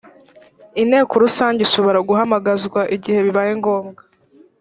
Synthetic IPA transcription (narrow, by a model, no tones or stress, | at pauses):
ine̞ːkoɾusaːɲɟiʃo̞βo̞ɾaɡuɦamaɡazɡwaʔiɟihe̞βiβajeŋɡo̞ːŋɡa